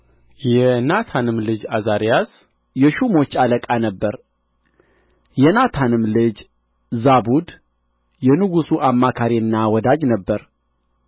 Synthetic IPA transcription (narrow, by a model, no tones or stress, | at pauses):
jɛnat̪ʰanɨmlɨd͡ʒazaɾijas | jɛʃumo̞t͡ʃːaləkʼanəbːəɾ | jɛnat̪ʰanɨmlɨd͡ʒ | zabud̪ | jɛnɨɡusuʔamːakʰaɾiɨnːawɔd̪ad͡ʒnəbːəɾ